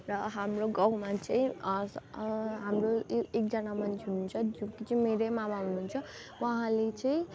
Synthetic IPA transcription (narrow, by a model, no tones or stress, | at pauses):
rʌɦamroɡʌwmat͡sʌĩ | ɦamroek̚d͡zʌnamʌnt͡sʰɦununt͡sʰʌd͡zũkit͡sʌĩmeɾemamaɦununt͡sʰʌ | wʌɦãlet͡sʌĩ